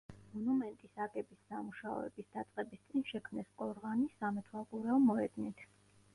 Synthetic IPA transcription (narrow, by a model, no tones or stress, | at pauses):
mɔnumɛnt̪ʼisaɡɛbisːamuʃaɔ̰ɛ̰bisd̪at̪sʼqʼɛbist̪sʼinʃɛkʰmnɛskʼɔɾʁanisamɛt̪ʰwalˠkʼuɾɛɔmɔɛd̪nit̪ʰ